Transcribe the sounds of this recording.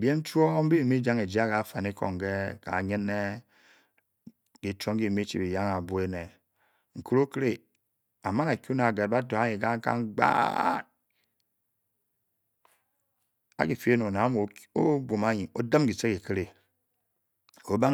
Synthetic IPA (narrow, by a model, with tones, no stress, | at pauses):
bje˦n̩˦t͡ʃu˦o˦m̩˦bi˦i˨mi˦d͡ʒa˦ŋe˨d͡ʒi˦a˦ka˨˦fa˨ni˦ko̰˨ŋ˨ɡe˦ka̰˨ɲi˦ne˦ | ki˨t͡ʃo˦ŋ˦i˦˨mi˦t͡ʃḭ˨bi˨ja˦ŋa˨bu˨˦e˦ne˨ | ŋ̩˨ku˦ɾo˦kɾe˦ | a˨ma˦ŋa˨kʲu˦na˨ɡe˨t̚ba˦to˨a˦ɲi˨ka˦ŋ˦ka̰˦ŋ˦ɡ͡ba̰˦˨n | a̰˦ki˨fe˦no˨na˨˦m˨o˦bo˨ma˦ɲi˨o̰˦də˦mɡi˨se˦ki˨ki˦ɾe˨ | o˦ba˦